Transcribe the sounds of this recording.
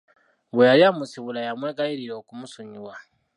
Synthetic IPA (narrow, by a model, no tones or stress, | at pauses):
βwejaljamusiβulajamweːɡajiɾiɾo̞ːkumusuɲiwa